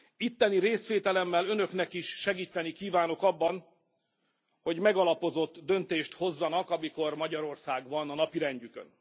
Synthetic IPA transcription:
it̪ːɛniɾeːsʋeːt̪ɛlɛmːɛlø̞nø̞knɛkiʃʃɛɡiːt̪ːɛnikiːvaːno̞kɒbːɒn | ho̞ɟmɛɡɒlɒpo̞zo̞t̪ːd̪ønt̪eːʃt̪ho̞zːɒnɒkɒmiko̞rmɒɟɒɾo̞rsaːɡʋɒnɒnɒpiɾɛɲɟykø̰n

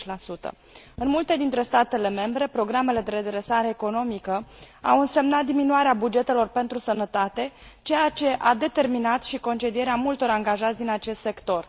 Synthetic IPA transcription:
t͡ʃlasut̪ə̰ | ɨnmult̪e̞d̪int̪ɾe̞st̪at̪e̞le̞me̞mbɾe̞pɾo̞ɡɾame̞le̞d̪e̞ɾe̞d̪ɾe̞saɾe̞ːko̞no̞mikəa̰wɨnse̞mnat̪̚d̪iminuaɾeabud͡ʒe̞t̪e̞lo̞rpe̞nt̪ɾusənət̪at̪e̞t͡ʃe̞jat͡ʃe̞ʔad̪e̞t̪e̞rminat̪ʃiko̞nt͡ʃe̞d̪ie̞ɾeamult̪o̞ɾaŋɡaʒat̪sʲd̪inat͡ʃe̞st̪se̞kt̪o̞r

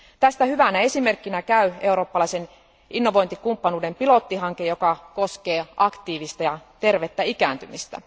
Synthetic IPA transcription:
t̪æst̪æhyʋænæe̞sime̞rkːinækæye̞uɾo̞ːpːɑlɑisen | inːoʋo̞jnt̪ikumpːɑnuːdempilo̞t̪ːiɦɑŋkejo̞kɑkoske̞ːʔɑkt̪iːʋist̪æjɑt̪erʋet̪ːæikæːnt̪ymist̪æ̰

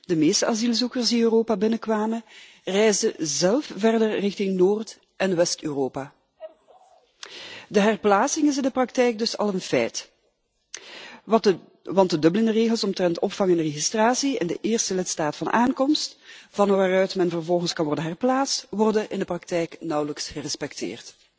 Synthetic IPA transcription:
dəmeːstəazilˠzukərsdiøːroːpabɪnəkʋaːmə | rɛjzdəzɛlˠfvɛrdərrɪxtɪŋnoːrt | ʔɛnʋɛstøːroːpaː | dəɦɛrplaːsɪŋɪs̬ɪndəprɑk̚tɛjk̚dɵsɑ̰lˠənfɛ̰jt | ʋɑntdədɵbələndəreːɣəlˠsɔmtrɛntɔpfɑŋənəreɣistraːsiɪ̰ndə̰ʔɪːrstəlɪtstaːtfɑnʔaːŋkɔmstvɑnʋaːrœɥtmɛnvərvɔlˠɣənskɑnʋɔrdənɦɛrplaːtstʋɔrdəʔɪndəprɑk̚tɛjknʌwləksxərɛspɛktʰɪ̰ːrt

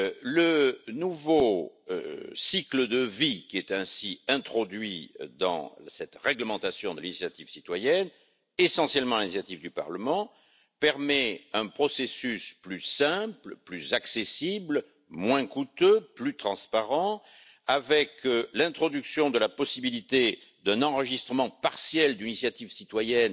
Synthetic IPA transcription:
lənuvo̰ | sikləd̪əvikʲiɛt̪ɛ̃siɛ̃t̪χɔd̪ɥid̪ɑ̰̃sɛt̪ʁɛɡləmɑ̃t̪asjɔ̃d̪əlinisjat̪ivsit̪wajɛn | esɑ̃sjɛlmɑ̃linisjat̪ivd̪ypa̰ʁləmɑ̃ | pɛʁmɛɛ̃pχɔsesysplysɛ̃pləplyzaksesibl | mwɛ̃kut̪øplyt̪χɑ̃spaʁɑ̃ | avɛklɛ̃t̪χɔd̪yksjɔ̃d̪əlapɔsibilit̪e | d̪ɛ̃nɑ̃ʁəʒist̪χəmɑ̃paʁsjɛld̪ynisjat̪ivsit̪wajɛn

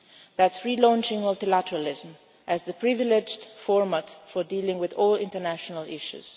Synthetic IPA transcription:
ðætsɹilɔ̃nt͡ʃɪ̃ŋmɔlˠtilæɾəɹəlɪzm | ʔɨzðəpʰɹɪvɪlɪd͡ʒdfɔɹmətfə˞dilɪ̃ŋwɪðɔːlˠɪ̰̃ntənæʃənəlɪʃṵz̥

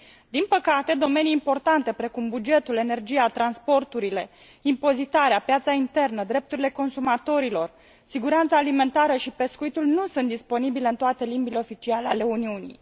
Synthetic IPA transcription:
d̪inpəkat̪e̞d̪o̞me̞niːmpo̞rt̪ant̪e̞pɾe̞kumbud͡ʒe̞t̪ule̞ne̞rd͡ʒiat̪ɾanspo̞rt̪uɾile̞ | impo̞zit̪aɾeapjat̪saint̪e̞rnəd̪ɾe̞p̚t̪uɾile̞ko̞nsumat̪o̞ɾilo̞r | siɡuɾant̪saːlime̞nt̪aɾəʃipe̞skuit̪ulnusunt̪d̪ispo̞nibile̞ɨnt̪oat̪e̞limbileo̞fit͡ʃialeale̞uniunḭj

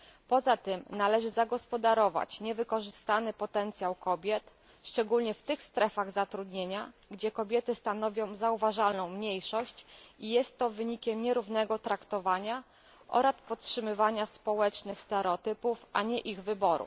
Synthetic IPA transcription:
pɔzat̪ɘmnalɛʐɘzaɡɔspɔd̪aɾɔva̰t͡ɕɲɛvɘkɔʐɘst̪anɘpɔt̪ɛnt̪sʲjawkɔbʲjɛt̪ | ʂt͡ʂɛɡulɲɛft̪ɘxst̪ɾɛfaɣzat̪ɾud̪ɲeɲaɡd͡ʑɛkɔbʲjɛt̪ɘst̪anɔvʲjɔ̃w̃zauvaʐalnɔ̃w̃mɲejʂɔɕt͡ɕijɛst̪ːɔvɘɲikʲɛmɲɛɾuvnɛɡɔt̪ɾakt̪ɔvaɲa | ʔɔ̰ɾaspɔttʂɘmɘvaɲaspɔwɛt͡ʂnɘxst̪ɛɾɛɔt̪ɘpufʔaɲɛʔiɣvɘbɔɾṵ

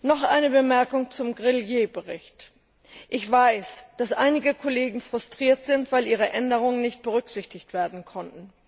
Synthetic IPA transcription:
nɔχʔa̰ɪnəbəmɛɐkʊŋt͡sʊmɡʁɪljeːbəʁɪ̰çt | ʔɪçv̥aɪsd̥asʔa̰ɪnɪɡəkʰoleːɡŋ̩fʁ̥ʊstʁ̥iːɐtz̥ɪntv̥aɪlʔiːʁ̞əʔɛndəʁ̞ʊŋənnɪçt̚b̥əʁʏkz̥ɪçtɪçtv̥eːɐdn̩kʰɔntn̩

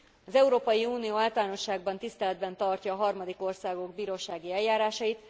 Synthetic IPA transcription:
ɒzɛuɾoːpɒjiuːnijoːaːlt̪ɒlaːno̞ʃːaːɡbɒnt̪ist̪ɛlɛd̪bɛnt̪ɒrcɒːɦɒrmɒd̪iko̞rsaːɡo̞ɡbiːɾoːʃaːɡiɛljaːɾaːʃɒjit̪

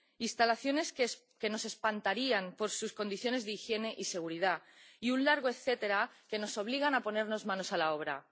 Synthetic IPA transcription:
inst̪alaθjo̞ne̞s | ke̞no̞se̞spant̪aɾiampo̞ɾsusko̞nd̪iθjo̞ne̞zðeixje̞ne̞ʔise̞ɣ̞uɾiðaiunlaɾɣ̞oe̞θe̞t̪e̞ɾake̞no̞so̞β̞liɣ̞anapo̞ne̞ɾno̞zmãno̞salao̞β̞ɾa̰

